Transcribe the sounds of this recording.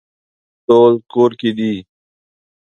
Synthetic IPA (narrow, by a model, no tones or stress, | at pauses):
t̪oːlkoːɾkiːɗ̪iː